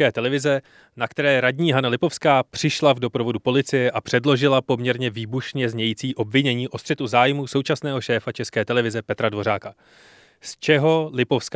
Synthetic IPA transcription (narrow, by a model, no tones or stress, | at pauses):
kɛːt̪ɛlɛvɪzɛ | nakt̪ɛɾɛːɾadɲiːɦanalɪpo̞fskaːpr̝̥ɪʃlavdo̞pɾo̞vo̞dupo̞lɪt͡sɪjɛʔapr̥ɛdlo̞ʒɪlapo̞mɲɛɾɲɛviːbuʃɲɛzɲɛjiːt͡siːʔo̞bvɪɲɛɲiːʔo̞st̪r̥ɛt̪uzaːjmuːso̞wt͡ʃasnɛːɦo̞ʃɛːfat͡ʃɛskɛːt̪ɛlɛvɪzɛpɛt̪ɾadvo̞ɾ̝aːka | st͡ʃɛɦo̞lɪpo̞fsk